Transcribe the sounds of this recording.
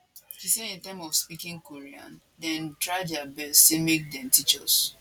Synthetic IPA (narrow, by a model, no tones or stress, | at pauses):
hisɛdĩntɛ̃mɔfspikĩŋkoɹiã̰n | dɛ̃ntɹaɪdɛabɛstːemek̚dɛ̃mtit͡ʃɔ̰s